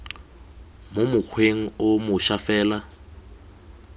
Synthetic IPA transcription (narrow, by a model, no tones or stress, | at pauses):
mʊmʊk͡xʰweŋ̩ʊmʊʃafɛːla